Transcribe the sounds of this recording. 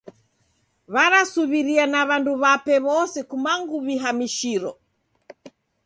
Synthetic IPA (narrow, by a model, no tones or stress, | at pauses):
βaɾasuβiɾianaβanduβapɛβɔsɛkumaŋɡuβiɦamiʃiɾɔ